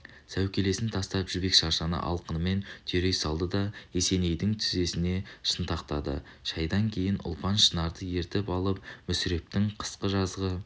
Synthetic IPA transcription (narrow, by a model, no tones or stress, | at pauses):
sæwkʲe̞le̞sɪnt̪ʰɑst̪ɑpʒʏbe̞kʃɑɾʃɑnə̰ʔɑ̰lˠqənəme̞nt̪ʰeɾe̞jsɑlˠd̪əd̪ɑese̞ne̞jd̪ɪŋt̪ʰʏze̞sɪne̞ʃənt̪ɑqt̪ɑd̪ə̰ | ʃɑjd̪ɑŋkʲʰe̞jɪnʔʊ̰lˠpɑnʃənɑɾd̪əje̞ɾt̪ɪpɑlˠəp̚mʏsɪɾe̞p̚t̪ɪŋqʰə̥sqəʒɑzʁə